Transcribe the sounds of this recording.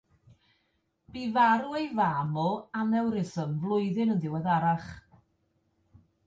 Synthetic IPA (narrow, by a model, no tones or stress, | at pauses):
b̥ivaɾuejvamɔanɛwɾɪsəmvlˠʊɨðɨnənðɪwɛðaɾaχ